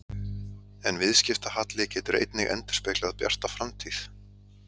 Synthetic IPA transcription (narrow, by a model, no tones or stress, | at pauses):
ɛnvɪðscɪft̪ahat̪lɪcɛːt̪ʏɾḛjt̪nɪɣɛ̰nt̪ɪ̥spɛːklaaðpja̰r̥t̪afɾamt̪ʰiθ